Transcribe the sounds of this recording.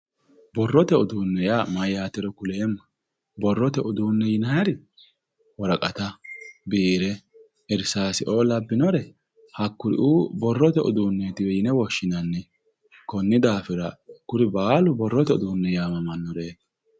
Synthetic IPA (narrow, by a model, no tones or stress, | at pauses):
bɔrːɔt̪ɛʊd̪uːnːɛjamɐjaːt̪ɛɾɔkʊleːmːɐ̥ | bɔrːɔt̪ɛʔʊd̪uːnːɛjɪnɐjɐɾɪ | wɔɾɐkʼɐt̪ɐbiːɾɛ | ɪɾsaːsɪʔoːlɐbːɪnɔɾɛ | hɐkːʊɾɪ̰ʔubɔrːɔt̪ɛʔʊ̰d̪uːnːɛt̪ɪwɛjɪnɛwɔʃːɪnɐnːɛ | kɔnːɪd̪aːfɪɾɐkːʊɾɪbaːlʊbɔrːɔt̪ɛʊ̰d̪uːnːɛjaːmɐmɐnːɔɾeː